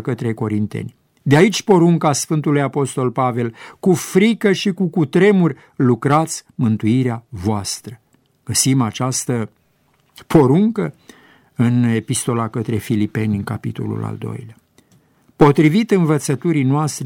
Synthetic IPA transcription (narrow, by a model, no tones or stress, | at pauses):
kət̪ɾe̞ko̞ɾint̪ḛnʲ | d̪eait͡ʃʲpo̞ɾuŋkasfɨnt̪ulujapo̞st̪o̞lpave̞lkufɾikəʃikukut̪ɾe̞murʲ | lukɾat̪sʲmɨnt̪uiɾeavoast̪ɾə | ɡ̥əsimat͡ʃast̪ə | pʰo̞ɾuŋkə | ɨne̞pist̪o̞lakət̪ɾe̞filipe̞nʲɨŋka̰pḭt̪o̞̰lṵla̰ld̪o̞̰jlea | po̞t̪ɾivit̪ɨnvət̪sət̪uɾinoast̪ɾe